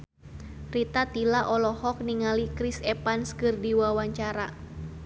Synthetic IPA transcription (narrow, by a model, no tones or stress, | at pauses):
rit̪at̪ilaʔɔlɔhɔk̚niŋalikɾisɛpanskɨrdiwawaɲt͡ʃaɾa